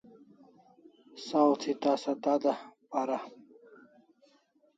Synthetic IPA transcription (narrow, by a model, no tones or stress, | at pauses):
sawt̪ʰit̪aːsɐd̪ad̪apaɾa